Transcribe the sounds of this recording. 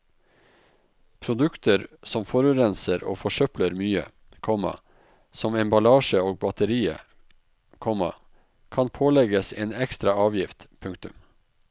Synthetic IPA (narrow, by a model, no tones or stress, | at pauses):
pʰɾʊd̪ʉkt̪əɾsɔmfɔɾʉːɾɛnsəɾo̰ːfɔʃœpləɾmyːə̰ | kʰɔmɑ̰ | sɔmɛmbɑlɑːʃəoːɡ̚bɑt̪əɾiːə̰ | kʰɔmɑ̰ | kʰɑnpʰoːlɛɡəsḛːnɛkst̪ɾɑɑːʋjɪft̪pʰʉŋk̚t̪ʉm